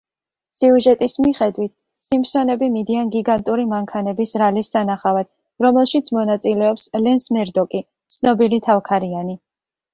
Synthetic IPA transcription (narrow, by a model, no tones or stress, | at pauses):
siuʒɛt̪ʼismiχɛd̪wit̪̚ʰ | simpsɔnɛbimid̪ianɡiɡant̪ʼuɾimaŋkʰanɛbisɾalisːanaχavad̪̥̚ | ɾɔmɛlˠʃit̪sʰmɔnat̪sʼilɛɔpslɛnsmɛɾd̪ɔkʼi | t̪sʰnɔbilit̪ʰavkʰaɾiani